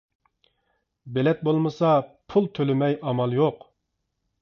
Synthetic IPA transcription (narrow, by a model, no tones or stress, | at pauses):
belɛt̪̚bolˠmɨsɑpʰulˠt̪ʰølɪmɛjɑmɑlˠjoq